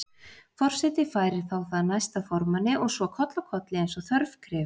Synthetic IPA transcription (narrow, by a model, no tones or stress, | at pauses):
fɔr̥sɛt̪ɪfaːjɾɪɾ̥θawθaðnajst̪afɔɾmanːɪʔɔɣsvɔkʰɔt̪lakʰɔt̪lɪɛjnsɔθœɾvkʰɾɪv